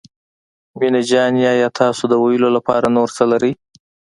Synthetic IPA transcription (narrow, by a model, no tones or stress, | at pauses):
minad͡ʒɑnjɑjɑt̪ʰɑsod̪əwajəlolapɑɾanoɾt͡səlaɾəj